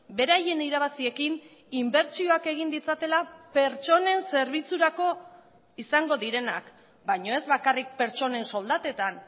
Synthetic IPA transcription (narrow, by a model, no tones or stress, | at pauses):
be̞ɾaje̞niɾaβasie̞kin | imbe̞ɾt͡ʃio̞ake̞ɣ̞ind̪it͡sat̪e̞lape̞ɾt͡ʃo̞ne̞nse̞ɾβit͡suɾako̞ | isaŋɡo̞ðiɾe̞na̰k | bajɲo̞e̞zβakarik̚pe̞ɾt͡ʃo̞ne̞nso̞ld̪at̪e̞t̪an